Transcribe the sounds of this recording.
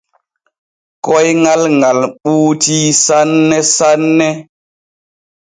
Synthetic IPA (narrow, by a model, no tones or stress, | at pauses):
kɔjŋalŋalɓuːtisanːɛsanːɛ